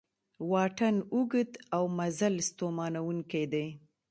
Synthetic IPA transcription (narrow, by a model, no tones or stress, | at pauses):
wɑʈanuɡət̪awmazalst̪omɑnawuŋkejd̪ej